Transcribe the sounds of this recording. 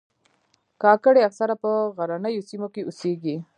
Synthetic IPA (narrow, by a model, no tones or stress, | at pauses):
kɑkəɽeaksaɾapəɣaɾanəjosimokeʔuseɡi